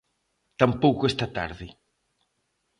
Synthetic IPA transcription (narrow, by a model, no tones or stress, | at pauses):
t̪ampowkoest̪at̪a̰ɾðɪ